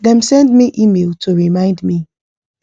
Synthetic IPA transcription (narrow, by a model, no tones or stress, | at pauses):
ðɛ̃msɛ̃ndmiʔimelˠtʰuɹimãɪ̃ndmi